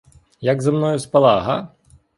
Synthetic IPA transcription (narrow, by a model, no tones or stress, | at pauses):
jɐɡzɐmnɔjuspɐlˠaɦɐ̰